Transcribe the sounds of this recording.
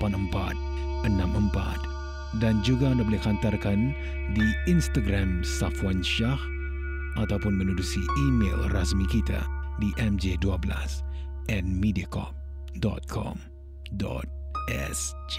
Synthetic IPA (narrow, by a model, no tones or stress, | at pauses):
panəmpa̰t̪̚ | ənamʔəmpa̰t̪̚ | dand͡ʒuɡaandabolɛhkhant̪arkan | diinst̪aɡɾamsafwanʃah | ʔat̪awpʊnmənudusiimḛlrasmikit̪a̰diʔɛmd͡ʒeduabəla̰s | ʔɛn̚midiakɔ̰p̚ | dɔ̰t̪̚kʰɔ̰m | dɔ̰t̪̚ʔɛ̰sd͡ʒ